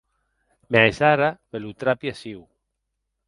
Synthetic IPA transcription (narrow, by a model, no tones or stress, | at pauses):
maesaɾaβelut̪ɾapjasiw